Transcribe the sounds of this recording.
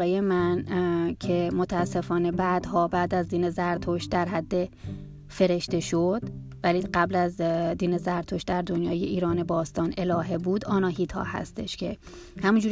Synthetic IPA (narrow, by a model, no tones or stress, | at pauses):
ejemæncʰe̞mot̪ʰææsːe̞fɒːne̞bæd̪̥hɒːbæːd̪æzd̪iːnezæɾt̪ʰoʃd̪æɾɦæd̪ːe̞ | fe̞ɾe̞ʃt̪e̞ʃod̪̥ | væliːɢæblæzd̪iːnezæɾt̪ʰoʃd̪æɾd̪onjɒːjeʔiːɾɒːne̞bɒːst̪ɒːnʔe̞lɒːɦebuːd̪ɒːnɒːɦiːt̪ʰɒ̰ːhæ̰st̪e̞̰ʃcʰe̞ | hæmund͡ʒuːɾ